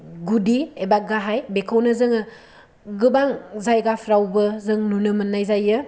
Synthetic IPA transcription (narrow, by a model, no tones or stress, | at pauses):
ɡudiebaɡaɦajbekʰawnɯzɯŋɯ | ɡɯbaŋzajɡapʰɾawbɯzɯŋnunɯmɯnːajzajɯ